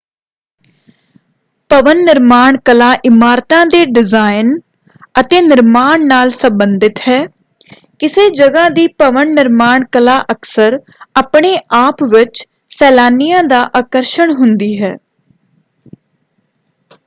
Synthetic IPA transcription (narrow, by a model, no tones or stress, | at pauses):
pəʋənːɪɾmaːɳkəlaːʔɪmaːɾt̪ãːd̪eːɖɪzaːɪn | ət̪eːnɪɾmaːɳnaːlsəmbənd̪ɪt̪ɦɛː | kɪseːd͡ʒəɡãːd̪iːpəʋənːɪɾmaːɳkəlaːʔəksəɾ | aːpɳeːʔaːpʋɪt͡ʃ | sɛːlaːnijãːd̪aːʔaːkəɾʃəɳɦʊnd̪iːɦɛ̰ː